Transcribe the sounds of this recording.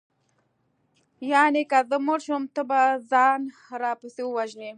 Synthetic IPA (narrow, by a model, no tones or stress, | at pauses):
jaːnekazəmʊɾʃomt̪əbazɑːn | ɾɑːpusiwaʒne